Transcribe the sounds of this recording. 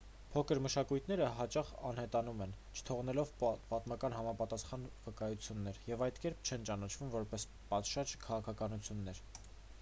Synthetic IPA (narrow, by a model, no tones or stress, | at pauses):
pʰɔkʰəɾməʃɑkujt̪ʰnɛɾəɦɑt͡ʃɑχɑ̰n̪hɛt̪ɑnumɛnt͡ʃʰə̥t̪ʰɔʁnɛlɔvpɑt̪mɑkɑnɦɑmɑpɑt̪ɑsχɑnvəkɑjut͡sʰjunːɛɾjɛvɑjt̪kɛɾpʰt͡ʃʰɛnt͡ʃɑnɑt͡ʃʰvumvɔɾpɛs | pɑt̪ʃɑd͡ʒkʰɑʁɑkʰɑkɑnut͡sʰjunːɛɾ